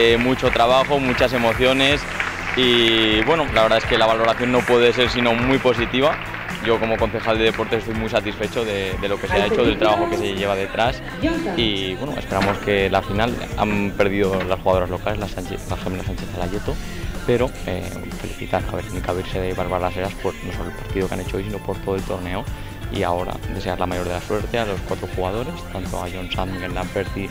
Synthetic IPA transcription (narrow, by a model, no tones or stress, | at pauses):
emut͡ʃo̞t̪ɾaβ̞axo̞mut͡ʃas̬e̞mo̞θjo̞ne̞s | iβwe̞nolaβeɾðaeske̞laβalo̞ɾaθjo̞nːo̞pwe̞ðe̞s̬e̞ɾsino̞mwjpo̞s̬it̪iβa | ɟ͡ʝo̞ko̞mo̞ko̞nθe̞xald̪e̞ðe̞po̞ɾt̪esest̪ojmujsat̪isfe̞t͡ʃoðe̞ðe̞lo̞ke̞seae̞t͡ʃoðe̞lt̪ɾaβaxo̞ke̞se̞ʝe̞β̞aðe̞t̪ɾas | iβwe̞noespe̞ɾamo̞ske̞lafinala̰mpe̞ɾðiðolasxuɣaðoɾazlo̞kale̞lasaelaxemeasant͡ʃeθalaʝet̪o̞ | pe̞ɾo̞ḛ | fe̞liθit̪aɾa̰βe̞ɾnikaβiɾse̞ðeβalβaɾlase̞ɾaspoɾno̞sololpaɾt̪iðokeane̞t͡ʃoojsino̞po̞ɾt̪o̞ð̞e̞lt̪o̞ɾne̞o | ḭao̞ɾa̰d̪e̞se̞aɾlamajoɾð̞e̞laswe̞ɾt̪e̞alo̞skwat̪ɾoxuɣað̞o̞ɾe̞st̪ant̪o̞̰aʝo̞nsanmiɡenlampeɾθi